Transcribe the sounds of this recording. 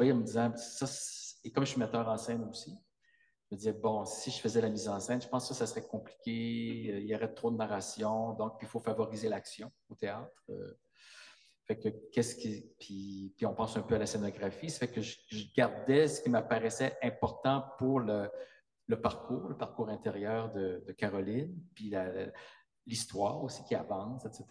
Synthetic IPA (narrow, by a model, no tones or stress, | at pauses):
ĩməd̪izɑ̃sasekɔmʒəsimɛt̪œːʁɑ̃sɛnosi | ʒəməd̪izɛbɔ̃siʒəfəzɛlamizɑ̃sɛnʒəpɑ̃skəsasʁɛkɔ̃pli̥kʲeøiljɔʁɛt̪χod̪ənaʁasjɔ̃d̪ɔ̃k̚pifofavɔʁizelaksjɔ̃ | ot̪eaːt̪χø̰ | fɛkəkʲɛskʲipʰipiɔ̃pɑ̃ːsœ̃pøalasenɔɡʁafise̥fɛkəʒəəʒəɡaʁd̪ɛsə̥kʲiməpaʁɛsɛʔɛ̃pɔʁt̪ɑ̃puʁlə | ləpaʁkuːʁləpaʁkuːʁɛ̃t̪eʁjœːʁd̪əd̪əkaʁɔlinpila̰ | list̪waːʁosi̥kʲiavɑ̃ːsɛt̪set̪